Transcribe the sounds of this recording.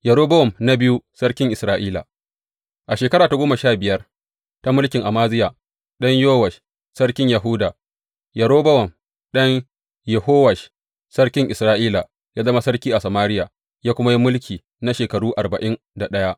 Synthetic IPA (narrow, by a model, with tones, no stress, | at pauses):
jɐ˨ɾoː˦bɐ˦wɔ˨mna˦bɪ˦ju˦sɐ˦rkʲɪ˦ŋʔɪ˨sɾaː˦ʔiː˦la̰˨ | ʔa˨ʃeː˨kɐ˦ɾaː˨ta˦ɡoː˦mɐ˨ʃaː˦bɪ˨jɐ˦r | ta˦mʊ˦lkʲɪ˨ŋʔa˨maː˦zɪ˦ja˨ | ɗɐ˦ɲjoː˦wɐ˨ʃ | sɐ˦rkʲɪ˦ɲjɐ˨ɦuː˦daː˨ | jɐ˨ɽoː˦bɐ˦wɔ˨m | ɗɐ˦ɲ | jɛ˨hoː˦wɐ˨ʃ | sɐ˦rkʲɪ˦ŋʔɪ˨sɾaː˦ʔiː˦la˨ | jaː˦zɐ˦ma˦sɐ˦rkʲiː˦ʔa˨sɐ˨maː˦ɾɪ˦ja˨ | jaː˦kʷʊ˦ma˦ji˦mʊ˦lkʲʰiː˨ | na˦ʃeː˨kɐ˨ɽuː˦ʔa˨rbɐ˨ʔɪ˦n | da˨ɗɐ˦ja˦ʔ